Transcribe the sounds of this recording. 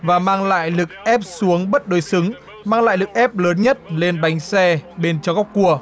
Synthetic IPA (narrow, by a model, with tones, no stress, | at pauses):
vaː˨˩maː˧ŋla̰ː˧˨jlɨ˨˩k̚ʔɛ˦˥p̚su˨˦əŋɓə˦˥t̚ɗo˨˩jsɨ˨˦ŋ | maː˧ŋla̰ː˧˨jlɨ˨˩k̚ʔɛ˦˥p̚ləː˨˦nɲə˦˥t̚le˧nɓa˨˦jŋ̟sɛ˧ɓe˧nt͡ɕɔ˧ɣɔ˦˥k͡p̚kːu˧˩ə